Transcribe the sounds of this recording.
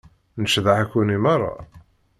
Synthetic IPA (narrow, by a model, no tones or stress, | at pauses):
nəʃðaʕækːunimɑrˤːɑ̰